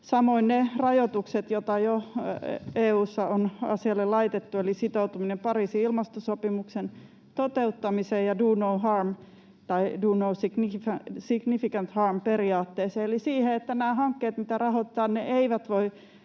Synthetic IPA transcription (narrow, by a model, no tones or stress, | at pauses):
sɑmoinnerɑjot̪ukset̪jot̪ɑjo | eːuːsːɑonɑ̰siɑlːellɑit̪et̪ːuelisit̪out̪uminempɑriːsiilmɑst̪osopimuksen | t̪ot̪eut̪ːɑmiseːjjɑduːnouɦɑrm | t̪ɑiduːnousiɡ̥niæsiɡ̥nifikænt̪hɑrmperiɑːt̪ːeːseːelisiːheet̪ːænæːhɑŋkːeːt̪mit̪ærɑhot̪ːˑɑːnneʔeiʋæt̪ʋoi